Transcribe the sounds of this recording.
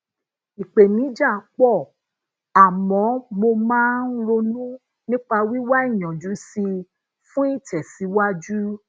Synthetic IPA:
i˨k͡pe˨nĩ˨˦d͡ʒa˦˨˦k͡pɔ˦˨ | a˨mɔ̃˨˦mo˧mãː˦n̩˦ɾo˧nũ˦ | nĩ˦k͡pa˧wi˦wa˦i˦˨j̃ɔ̃˨d͡ʒu˨˦si˧ | fũ˦i˦˨tɛ˨si˨˦wa˦d͡ʒu˦

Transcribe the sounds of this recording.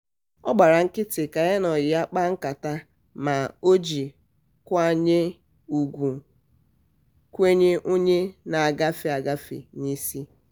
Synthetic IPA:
ɔ˦ɡ͡ba˨ɾa˨ŋ̩˦kɪ˦tɪ˨ka˨ɣe˦nɔ˨jɪ˨a˦k͡pa˦ŋ̩˦ka˨ta˦ | ma˨o˦d͡ʒi˨ | kʷa˦ɲe˦ | u˨ɡʷu˨ | kʷe˦ɲe˦ʔo˦ɲe˦na˨a˨ɡa˦fɪ˨a˨ɡa˦fḭ˨ni˦si˦

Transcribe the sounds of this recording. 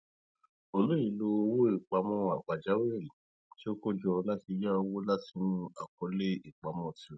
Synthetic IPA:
o˧lo˦i˨˧˨lo˧wo˦i˦˨k͡pa˧mɔ̃˧a˨k͡pa˨d͡ʒa˨˦we˦˨li˨ | to˦ko˦d͡ʒɔ˧la˦ti˧ja˦o˧wo˦la˦ti˨˧˦nũ˦a̰˨kɔ˧le˦i˦˨k͡pa˨mɔ̃˧˨ti˨˦ɛ˨

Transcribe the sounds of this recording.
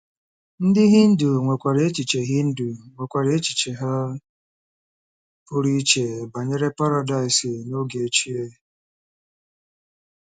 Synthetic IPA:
n̩˦dɪ˦ɦɪ˦n̩˦du˨ŋʷe˨kʷa˨ɾe˨e˦t͡ʃi˨t͡ʃe˨ɦɪ˦n̩˦du˨ŋʷe˨kʷa˨ɾe˨˦e˦t͡ʃi̥˨t͡ʃe˨ɦa˦ | pʊ˦ɾi˦t͡ʃe˨ba˨ɲe˦ɾe˦pa˦ɾa˨da˦˨ɪ˨si˨no˦ɡe˨e˨t͡ʃi˦e˦

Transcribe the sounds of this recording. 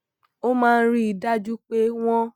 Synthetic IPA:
o˦mãː˦˧n̩˦ɾi˦i˨da˦d͡ʒu˦k͡pe˦w̃ɔ̃˦

